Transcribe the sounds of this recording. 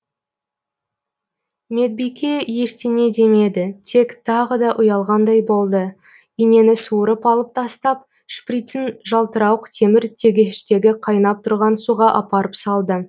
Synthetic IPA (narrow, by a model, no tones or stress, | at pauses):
me̞t̪̚bijkʲʰe̞je̞st̪ene̞d̪e̞me̞d̪ɪt̪ʰe̞kt̪ʰɑʁəd̪ɑʔʊjɑlˠʁɑnd̪ɑjbo̞lˠd̪ə | ine̞nɪsuəɾəpɑlˠəp̚t̪ʰɑst̪ɑp̚ | ʃprit̪sɪnʒɑlˠt̪əɾɑwəqt̪ʰe̞mɪɾt̪ʰe̞ɡʲe̞ʃɪʃt̪e̞ɡʲɪqʰɑjnɑp̚t̪ʰʊɾʁɑnsuʁɑʔɑpɑɾəpsɑlˠd̪ə